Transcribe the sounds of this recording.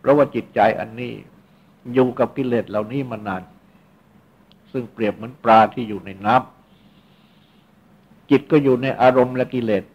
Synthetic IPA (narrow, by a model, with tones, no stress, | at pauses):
pʰɾɔ˦˥waː˥˩t͡ɕi˨˩t̪̚t͡ɕa˧jʔa̰˧nːḭː˥˩ | juː˨˩ka˨˩p̚ki˧˥leː˨˩t̪̚la˨˩wniː˦˥˩maː˧naː˧n | sɯ˥˩ŋpɾi˨˩əp̚mɯ˦ənpɾaː˧t̪ʰiː˥˩juː˨˩na˧jnaː˦˥˩m | t͡ɕi˨˩t̪̚kɔː˥˩juː˨˩na˧jʔaː˧ɾo˧mlɛ˦˥ki˧leː˨˩t̪̚